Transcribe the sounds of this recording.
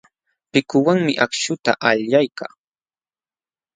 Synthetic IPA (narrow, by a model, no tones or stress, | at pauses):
pɪkʊwaŋmɪʔakʃʊt̪a̰ʔaʎʎajkaː